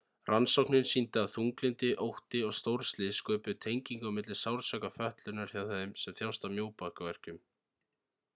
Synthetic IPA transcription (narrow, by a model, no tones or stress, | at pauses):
ransowknɪnsint̪ɪaðθuŋklɪnt̪ɪʔowht̪ɪɔɣst̪owɾst̪lɪskœːpɪt̪ʰejɲciŋkawmɪt̪lɪsawɾsœkafœht̪lʏnaɾ̥çawðejmsɛmθjawst̪amjoːwpahkavɛr̥cʏm